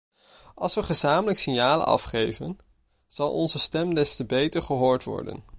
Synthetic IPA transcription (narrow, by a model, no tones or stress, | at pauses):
ɑlˠsʋəχəzaːmələksɪnjaːlə̰ɑ̰fχejvən | z̥ɑlˠʔɔ̰nzəstɛmdɛstəbejtəɹχəɦoːɹtʋɔ̰ɹdə̰n